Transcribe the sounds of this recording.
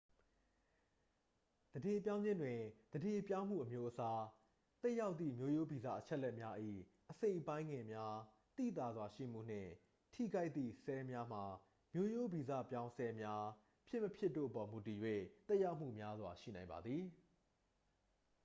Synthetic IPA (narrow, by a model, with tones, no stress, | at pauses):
d̪̥əde˨p̬jã˦ʊ̃ɲd͡ʑɪ̃˦ndwɪ̃˨d̪əde˨pjã˦ʊ̃m̥ṵ˦˨ʔəmjo˦ʔəsa˦ | t̪ɛ˦ʔja˦ʊt̪ðḭ˦˨mjo˦jo˦bi˨za̰˦˨ʔət͡ɕʰɛ˦ʔlːɛ˦ʔmja˦ʔḭ˦˨ | ʔəsẽ˦˨ɪ̃˨pã˦ɪ̃ŋɡɪ̃˨mja˦ | t̪ḭ˦˨t̪a˨zwa˨ʃḭ˦˨m̥ṵ˦˨n̥ɪ̰̃˦˨ | tʰḭ˦˨ɡa˦ɪt̪ːḭ˦˨sɛ˦mja˦m̥a˨ | mjo˦jo˦bi˨zä̰˦˨pjã˦ʊ̃sɛ˦mja˦ | pʰjɪ˦ʔmːəpʰjɪ˦tːo̰˦˨ʔəpɔ˨mu˨ti˨jwḛ˦˨t̪ɛ˦ʔja˦ʊʔm̥ṵ˦˨mja˦zwa˨ʃḭ˦˨nã˨ɪ̃mba˨d̪ði˨